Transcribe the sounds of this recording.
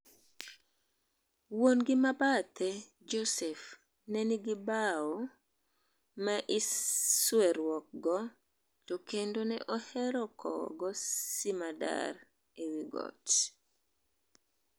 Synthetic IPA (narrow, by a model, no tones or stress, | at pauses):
wonɡɪmabat̪ʰɛ | d͡ʒosɛf | nɛniɡɪbao | mɛʔiswɛɾwɔk̚ɡɔ | tɔkendonɛ̰ʔɔhɛɾɔkʰɔ̰ɡɔsimada̰ɾ | ewiɡɔ̰t